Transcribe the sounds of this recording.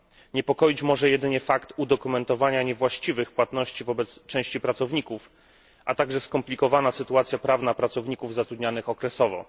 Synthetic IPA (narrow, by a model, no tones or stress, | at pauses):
ɲɛpɔkɔjit͡ɕmɔʐɛjɛd̪ɘɲɛfakt̪ud̪ɔkumɛnt̪ɔvaɲaɲɛvwaɕt͡ɕivɘxpwat̪nɔɕt͡ɕivɔbɛt̪st͡ʂɛ̃w̃ɕt͡ɕipɾat̪sɔvɲikuf | ʔat̪aɡʐɛskɔmplʲikɔvanasɘt̪uat̪sʲjapɾavnapɾat̪sɔvɲikuvzat̪ɾud̪ɲanɘxɔkɾɛsɔvɔ̰